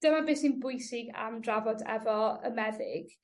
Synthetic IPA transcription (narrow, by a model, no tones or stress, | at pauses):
d̥əmabɪːsinbʊjsɪɡa̰mdravɔdɛ̰vɔə̰mɛðɪɡ̥